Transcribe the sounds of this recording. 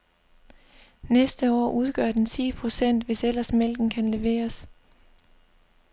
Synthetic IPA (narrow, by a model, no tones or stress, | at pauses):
nesd̥əɒ̰ːʔuð̞ˠɡ̥ɶɐd̥ent͡sʰḭːpʰʁo̝sen̰d̥ʋe̝sel̰ɐsmel̰ɡ̥n̩kʰænle̝ʋe̝̰ːɐs